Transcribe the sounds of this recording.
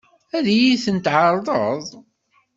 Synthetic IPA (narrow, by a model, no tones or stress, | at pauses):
æðijiθənt̪ʕɑɾˤðˤəðˤ